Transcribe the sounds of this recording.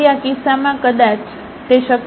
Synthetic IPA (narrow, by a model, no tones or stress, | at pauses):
jakisamãkəd̪at͡ʃ | t̪eʃək